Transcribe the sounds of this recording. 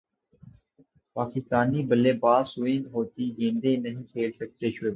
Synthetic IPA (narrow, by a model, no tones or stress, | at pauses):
paːkɪst̪aːniːbəleːbaːsuːĩːnɦoːt̪iːɡẽːnd̪ẽːnəɦĩːkʰeːlsək̚t̪eːʃʊeː